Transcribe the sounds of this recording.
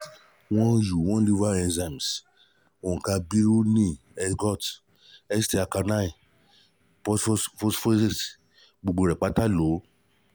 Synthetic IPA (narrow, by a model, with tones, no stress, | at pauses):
wɔ̃˦ju˨wɔ̃˦li˦va˦ɛ̃˧nza˨m˨s | o˨ka˧bi˦ɾu˦nĩ˦˨ | ɛ˧ɡɔ˦˨t | ɛ˦sti˧˦a˧ka˧nã˦i˨ | pɔ˦sfɔ˦sfo˦si˦˨s | ɡ͡bo˨ɡ͡bo˨ɾɛ˨k͡pa˨˦ta˦lo˨˦